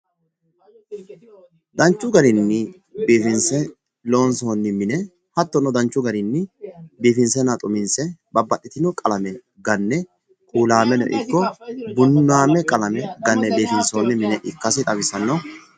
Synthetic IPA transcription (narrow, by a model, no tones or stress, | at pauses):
d̪ɐnt͡ʃːʊɡɐɾɪnːɪ | beːfɪnsɛ | lo̞ːnsoːnːɪmɪnɛ | hɐt̪ːɔnɔd̪ɐnt͡ʃːʊɡɐɾɪnːɪbiːfɪnsɛnat̪ʼʊmɪnsɛbɐbːɐɗːɪt̪ɪnɔkʼɐlɐmɛ | ɡɐnːɛ | kʼuːlaːmɛnɔ̰ʔɪ̰kːɔbʊnːaːmɛkʼɐlɐmɛɡɐnːɛbeːfɪnsoːnːɪmɪnɛʔɪkːɐsɪt̪ʼɐbɪsɐnːɔ